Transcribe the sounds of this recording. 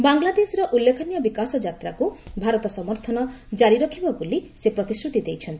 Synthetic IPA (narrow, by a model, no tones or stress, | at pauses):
baŋlad̪esɾɔʔulːekʰɔnijɔbikasɔd͡ʒat̪ɾakubʱaɾɔt̪ɔsɔmɔɾt̪ʰɔnɔd͡ʒaɾiɾɔkʰibɔbolisepɾɔt̪iskɾut̪id̪ejt͡ʃʰɔnt̪i̥